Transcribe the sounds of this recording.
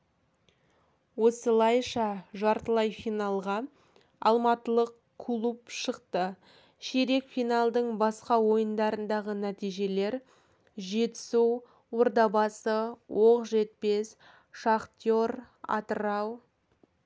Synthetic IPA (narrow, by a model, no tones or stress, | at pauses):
wo̞səlˠɑjʃɑʒɑɾt̪əlˠɑjfijnɑlˠʁɑ | ɑlˠmɑt̪əlˠəq | kʰlˠupʃəqt̪ə | ʃeɾe̞kfijnɑlˠd̪əɴbɑsqɑwo̞jənd̪ɑɾənd̪ɑʁənæt̪ijʒe̞le̞ɾ | ʒe̞t̪ɪ̥su | woɾd̪ɑbɑsəwoqʒe̞t̪̚pe̞s | ʃɑqt̪jo̞ɾ | ɑ̰t̪əɾɑw